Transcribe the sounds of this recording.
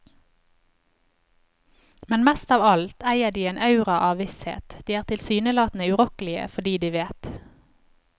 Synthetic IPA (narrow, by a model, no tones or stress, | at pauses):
mɛnmɛst̪ɑːʋɑlt̪ʰæɪəʁd̪iːeːnʔɑʉʁɑʔɑːʋʋɪshḛːt̪d̪̥iːæːʁt̪ʰɪlsyːnəlɑːt̪n̩əʉʁɔkəlɪə̰fɔɖiːd̪iːʋeːt̪